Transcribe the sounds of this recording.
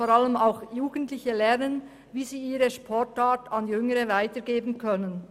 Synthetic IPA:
fɔɾɑləmaʊxjuːɡəntlɪçəlɛɐʁnən | viːziːiːɾəʃpʰɔɹtaːtɑnjʏŋəʁəvaɪtəɡeːbn̩kʰœnən

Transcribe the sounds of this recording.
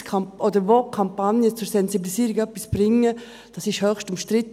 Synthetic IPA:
kʰaʔɔdəɾvokʰampanjət͡sʊɾsɛnsibilisiːɾiɡœpːisb̥rɪŋːə | d̥ɑsɪʃhœxʃtʊmʃtɾɪt

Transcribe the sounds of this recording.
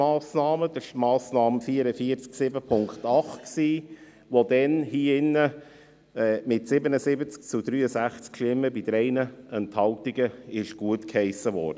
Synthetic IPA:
ɑːsnɑːməd̥̪əʃmɑːsnɑːmfiːəɾəfiəɾt͡sksɪbəpʰʊŋktɑχtksiː | ʋod̪ɛnhiːɪnːə | ɛːmɪtsɪbənəzɪbət͡sk̚t͡sud̪ɾyːəsæχt͡skʃlɪməbid̥̪ɾɛɪnəɛnthɑltiɡəɪʃɡ̥uətkhɛɪsəʋɔ̰ːɾdə

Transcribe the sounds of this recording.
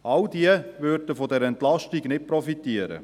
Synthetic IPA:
ʔɑldiəvøɾdəfɔdɛɾɛntlɑʃtiɡnɪt̚pɾɔfitiəɾə̰

